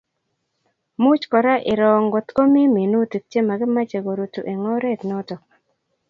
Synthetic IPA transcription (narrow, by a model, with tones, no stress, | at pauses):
mu˦t͡ʃkɔ˨ɾa˦ʔɪ˨ɾɔ˨ŋɡo˨t̪ko˦mi˦mi˨nu˦ti˨k̚t͡ʃe˦ma˨ɡɪ˦ma˦t͡ʃe˨ɡo˨ɾu˨tu˨ʔe˨ŋɔ˦ɾe˦˨tnɔ˦tɔ˨